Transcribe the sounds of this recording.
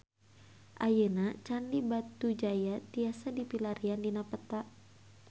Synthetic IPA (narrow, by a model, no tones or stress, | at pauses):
ʔajənat͡ʃanlibat̪ud͡ʒajat̪iasadipilaɾiandinapət̪a